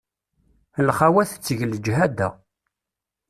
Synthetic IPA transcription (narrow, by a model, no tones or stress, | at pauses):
əlχawæθə̥t͡sːəʝld͡ʒɦæd̪æ̰